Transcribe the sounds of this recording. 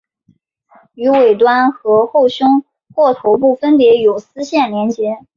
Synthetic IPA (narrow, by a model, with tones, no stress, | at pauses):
y˧˥we˨˩ɪt̪̬wa˥nxɤ˧˥xo˥˩ʊɕjʊ˥ŋ | xwɔ˥˩t̪ʰo˧˥ʊp̬u˥˩fə˥npjɛ˧˥jo˨˩ʊsɹ̩˥ɕjɛ˥˩nljɛ˧˥nt͡ɕjɛ˧˥